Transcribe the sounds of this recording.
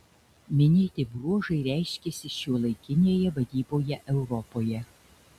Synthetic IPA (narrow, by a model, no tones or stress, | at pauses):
mʲɪnʲeːt̪ʲɪbɾuɔʒɐɪɾʲæˑɪʃʲkʲesʲɪʃʲuːlˠɐɪkʲɪnʲeːjɛʋɐd̪ʲiːboːjɛʔɛʊɾɔpoːjɛ